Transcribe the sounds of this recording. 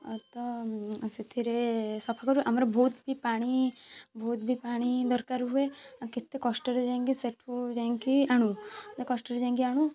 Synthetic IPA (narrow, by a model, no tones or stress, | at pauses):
t̪ɔset̪ʰiɾesɔpʰakɔɾueʔamɾabʱoːt̪bʱipaɽ̃ibʱoːt̪̚bʱipaɽ̃id̪ɔɾkaɾɦueakit̪ːekɔsʈəɾed͡ʒaĩŋkiseʈʰud͡ʒaĩŋkiaɽ̃ũt̪ekɔsʈəɾed͡ʒaĩŋkiaɽ̃ũ